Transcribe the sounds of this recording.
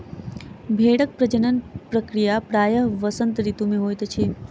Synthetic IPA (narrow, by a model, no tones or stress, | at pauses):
bʱeɽək̚pɾəd͡ʒənənpɾəkɾijapɾaːjəɦʋəsənt̪ɾit̪umeɦoːjt̪ət͡ʃʰe